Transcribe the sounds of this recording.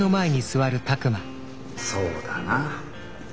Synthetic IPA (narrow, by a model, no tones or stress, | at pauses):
o̞mae̞ɲ̟isɨβaɾɯ̟t̪akɯ̟ma | soːd̪ana